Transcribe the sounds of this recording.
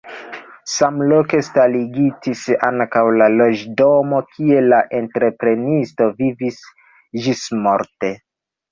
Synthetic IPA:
samloke̞staliɡitisa̰ŋkawlalo̞d͡ʒdomo̞kʰie̞laʔe̞ntɾe̞pɾe̞nisto̞vivis | d͡ʒismoɾte̞

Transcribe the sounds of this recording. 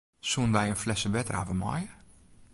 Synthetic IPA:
sunʋɛjənflɛsəʋɛtəra̰ːvəmɑ̰jə

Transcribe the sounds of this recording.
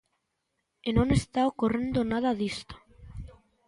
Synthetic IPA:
enõŋest̪aokorend̪onað̞aðist̪o̥

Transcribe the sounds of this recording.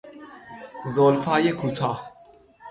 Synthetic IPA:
zoːlfaːjekʰuːt̪ʰaː

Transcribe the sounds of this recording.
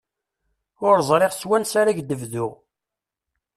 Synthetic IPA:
ʊɾzˤɾˤeʁswænsaɾæʝd̪əvðʊʁ

